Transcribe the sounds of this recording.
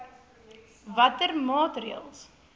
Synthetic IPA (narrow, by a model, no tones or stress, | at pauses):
vɐtərmɑːtriə̰lˠs